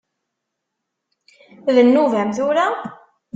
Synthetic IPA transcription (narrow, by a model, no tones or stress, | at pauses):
ðənːuvæmθʊɾa